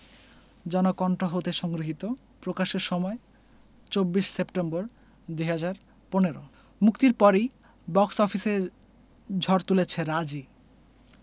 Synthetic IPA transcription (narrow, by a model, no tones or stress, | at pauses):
d͡ʑɔnokɔɳʈoɦot̪eʃɔŋɡɾiɦit̪o | pɾokaʃeɾʃɔmɔe | t͡ɕobːiʃsepʈemboɾ | d̪uɦad͡ʑaɾ | poneɾo | mukt̪iɾpɔɾij | bɔksɔfʰise | d͡ʑʱɔɾt̪ulet͡ɕʰeɾad͡ʑi